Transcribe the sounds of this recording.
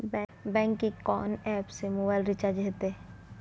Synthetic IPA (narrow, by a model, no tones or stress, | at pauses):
bɛ̃ːŋkːikɔ̰ːnɛːpsemoːbaɪlɾɪt͡ʃaːɾd͡ʒɦet̪eɛ